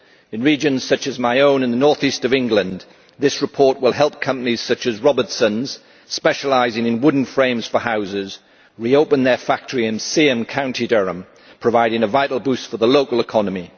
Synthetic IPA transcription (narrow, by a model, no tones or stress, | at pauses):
ɪ̃nɹiːd͡ʒɨ̃nz̥sʌt͡ʃɨzmaɪõʊ̃nə̃nðənɔɹθistəvɪ̃ŋɡlə̃n | ðɪsɹɨpʰɔɹʔwɪlˠɦɛlˠp̚kʰʌ̃mpəniz̥sʌt͡ʃəzɹɒbə˞dsə̃nz̥ | spɛʃəlaɪzɪ̃ŋɨ̃nwʊdⁿn̩fɹẽɪ̃mz̥fəhaʊzɪz | ɹioʊpə̃nðə˞fak̚tʰəɹiɨ̃nsiə̃mkʰãʊ̃ntidɛɹə̃m | pʰɹ̥əvaɪɾɪ̃ŋəvaɪʔˡl̩ˠbʉˑstfəðəloʊkəlˠɪkʰɒnəmi